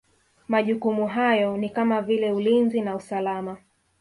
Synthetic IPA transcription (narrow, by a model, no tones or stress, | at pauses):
maʄukumuɦajɔnikamavilɛulinzinausalama